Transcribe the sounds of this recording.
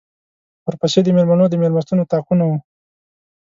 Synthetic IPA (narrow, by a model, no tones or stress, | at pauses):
wəɾpaʃed̪əmeɾmanod̪əmeɾmast̪unot̪ɑqunawu